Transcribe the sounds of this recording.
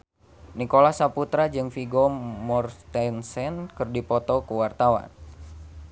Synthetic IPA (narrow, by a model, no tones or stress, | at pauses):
nikolahsaput̪ɾad͡ʒɨŋfiɡɔmɔrt̪ɛnsɛnkɨrdipɔt̪ɔkəwart̪awa̰n